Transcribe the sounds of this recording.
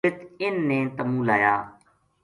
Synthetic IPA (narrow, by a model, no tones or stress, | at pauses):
ɪt̪ɪnːẽːt̪əmũːlaːjaː